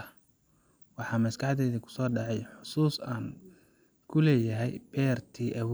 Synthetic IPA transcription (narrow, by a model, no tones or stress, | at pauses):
ɐ | wɑħɑːmɐskɑħd̪ɛːðikʰʊ̥sɔːɖɑʕɑjħʊsuːsaːn | kʰʊlɛːjɐɦɛjb̥ɛːrt̪ʰiːʔɐw